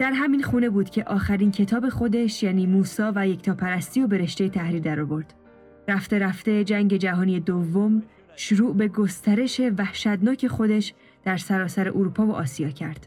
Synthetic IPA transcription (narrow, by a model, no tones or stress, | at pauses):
d̪̥æɾɦæminxuːne̞buːd̪̥cʰe̞ʔɒːxæɾincʰe̞t̪ʰɒːbe̞xo̞d̪e̞ʃjæːniːmuːsɒːvæje̞cʰt̪ʰɒːpʰæɾæst̪iːo̞be̞ɾe̞ʃt̪e̞jet̪ʰæhɾiːɾd̪æɾɔvo̞ɾd̪̥ | ɾæft̪e̞ɾæft̪e̞d͡ʒæŋɟe̞d͡ʒæɦɒːnije̞d̪ovːom | ʃoɾuːʔbe̞ɡo̞st̪ʰæɾe̞ʃe̞væhʃæd̪nɒːcʰe̞xo̞d̪e̞ʃ | d̪̥æɾsæɾɒːsæɾe̞ʔoɾupʰɒːvo̞̰ʔɒːsijɒːcʰæɾd̪̥